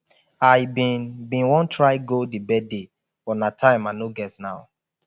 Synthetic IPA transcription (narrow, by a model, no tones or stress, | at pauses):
ajbĩnbĩnwɔ̃ntʰɹaɪɡodibɛde | fɔnatʰãɪ̃manoɡɛtnaʊ